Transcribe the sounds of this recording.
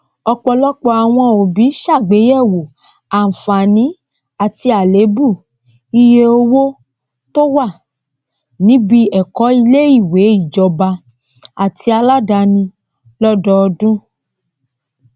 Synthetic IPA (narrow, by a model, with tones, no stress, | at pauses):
ɔ˧k͡pɔ˧lɔ˦k͡pɔ˧a˨w̃ɔ̃˧o˨bi˨˦ʃa˦˨ɡ͡be˨˦jɛ˦˨wo˨ | a˨n̩˨fa˨nĩ˨˦ | a˨ti˧a˨le˨˦bu˦˨ | i˧je˧o˧wo˦ | to˦wa˦˨ | nĩ˨˦bi˧ɛ˨kɔ˨˦i˧le˦i˦˨we˨˦i˦˨d͡ʒɔ˨˧ba˧ | a˨ti˧˦a˧la˦da˧nĩ˧ | lɔ˦dɔ˧ɔ˧dũ˦